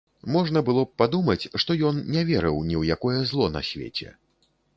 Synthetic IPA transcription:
mɔʐnɐbɨlˠɔp̚pad̪umɐt͡sʲʂt̪ɔjɔnnʲɛvʲɛɾɨ̰wnʲiwjakɔjɛzlˠɔna̰sʲvʲḛt͡sʲɛ̰

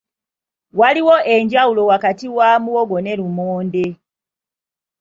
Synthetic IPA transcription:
waliwoʔe̞ɲɟawulo̞wakatiwaːmuwoɡo̞ne̞ɾumoːnde

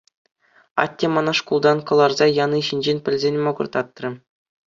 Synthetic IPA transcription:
ɑ̰tʲːemɑnɑʂkulˠd̪ɑnkɤ̆lˠɑrzɑjɑnɯɕinʲd͡ʑenʲpʲɘ̆lʲzʲenʲmŏɡɤ̆rt̪ɑt̪ːrɤ̆

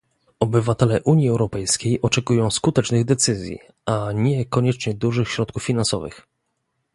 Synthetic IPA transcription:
ɔbɘvat̪ɛlɛʔuɲjiɛwɾɔpɛjskʲejɔt͡ʂɛkujɔ̃w̃skut̪ɛt͡ʂnɘɣd̪ɛt̪sɘzʲjḭ | ʔaɲɛkɔɲɛt͡ʂɲɛd̪uʐɘxɕɾɔt̪kufːʲinansɔ̰vɘ̰x

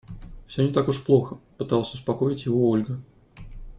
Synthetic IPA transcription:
fsʲonʲɪt̪akʊʂplˠo̞xəpɨt̪ɑlˠəsʲʊspɐko̞jɪtʲjɪvoolʲɡə

